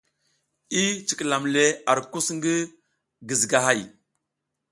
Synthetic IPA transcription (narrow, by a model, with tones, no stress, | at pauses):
i˦t͡ʃi˨kla˨mle˦a˨ɾku˦sŋɡi˦ | ɡi˨zɡa˨ɦa˦˨j